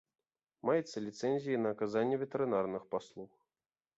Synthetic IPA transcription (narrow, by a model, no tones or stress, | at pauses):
majɛt̪sːɐlʲit̪sɛnʲzʲijinɐːkazanʲːɛvʲɛt̪ʲɛɾɨnarnɨxpaslˠux